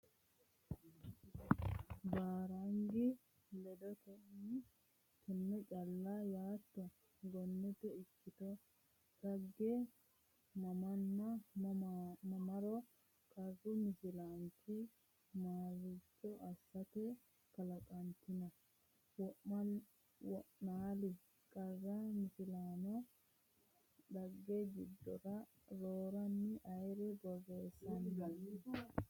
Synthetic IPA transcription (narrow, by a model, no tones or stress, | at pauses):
baːɾɐŋɡɪ | lɛd̪ɔt̪ɛn | t̪ɛnːɛt͡ʃʼɐlːajaːt̪ːɔ | ɡɔnːɛt̪ɛɪkːɪt̪ɔ | t̪ɐɡːɛ | mɐmɐnːɐ | mɐmɐɾɔ | kʼɐzʊmɪsɪlaŋkɪ | maːzɪt͡ʃːɔʔɐsːɐt̪ɛ | kɐlɐkʼɐnt̪ɪnɐ | wɔ | wɔʔnaːlɪ | kʼɐzːɐmɪsɪlaːnɔ | ᶑɐɡːeɡɪd̪ːɔ̰ɾɐ | ɾoːɾɐnːɪʔɐjɾɛbɔɡeːsɐnːɐ